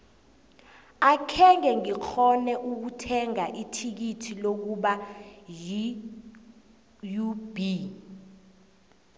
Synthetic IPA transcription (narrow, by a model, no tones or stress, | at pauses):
akʰɛŋɛŋik͡xʰɔnɛʔuk̬utʰɛŋaʔitʰik̬itʰilok̬uɓaji | jub̥i